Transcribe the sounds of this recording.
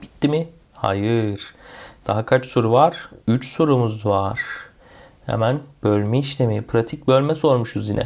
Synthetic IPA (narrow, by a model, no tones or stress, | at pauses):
b̥it̪ʰːimi | ha̰jɯɾ̥d̪̥aɦakʰat͡ʃso̞ɾuvaɾ̥yt͡ʃso̞ɾumuzvaɾ̥ | hɛ̰mænbølʲmɛiʃlʲemipʰɾat̪ʰic̚bølʲmɛso̞ɾmuʃuzinɛ̰